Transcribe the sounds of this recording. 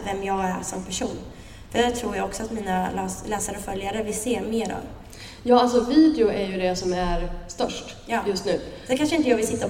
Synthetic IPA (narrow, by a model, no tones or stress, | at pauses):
vɛmjɑːɡæ̰ɾʂɔmpʰæʂuːn | d̥ɛæt̪ʰɾuːɾjaɡɔksɔat̪miːnalːslɛːsaɾəɔfœljaɾəvɪlseːɾmeːɾɔ̰m | jɑːaltsɔviːd̪ɛʊʔæɾjɵd̪ɛsɔmæɾst̪œʂʈ | jɑːjɵst̪nʉ̟ːd̪ɛkʰanʂəɪnt̪əjɑːvɪlsɪt̪ːa